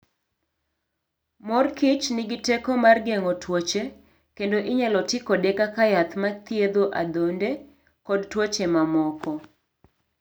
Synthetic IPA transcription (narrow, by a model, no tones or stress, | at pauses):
mɔrkɪt͡ʃnɪɡɪtekɔmarɡeŋɔtwot͡ʃe | kendoʔɪɲalɔtɪkɔdekakajat̪mat̪jed̪oʔa̰d̪onde | kɔdtwot͡ʃemamɔkɔ